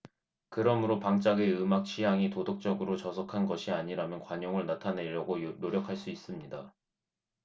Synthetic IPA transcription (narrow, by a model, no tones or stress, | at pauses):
kɯɾʌmɯɾopaŋt͡ɕ͈aɡe̞ɯmak̚t͡ɕʰijaŋitodok̚t͡ɕ͈ʌɡɯɾot͡ɕʌsʰʌkʰanɡʌɕʰiaɲiɾamjʌnkwaɲoŋɯɭnatʰane̞ɾjʌɡonoɾjʌkʰaɭs͈uis͈ɯmɲida